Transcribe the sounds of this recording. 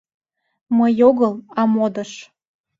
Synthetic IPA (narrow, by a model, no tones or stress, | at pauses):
məjoɣəlɑmod̪əʃ